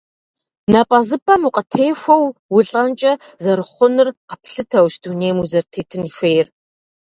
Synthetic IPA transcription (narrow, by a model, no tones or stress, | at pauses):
nɐpʼɐzɨpʼɐmuqʼɐtʰeːxʷɐwwʊɬʼɐnt͡ʃʼɐzɐɾɨχʷʊnɨrqɐpɬɨtʰɐwʃduneːmuzɐrtʰeːtʰɨniʃʷeːjr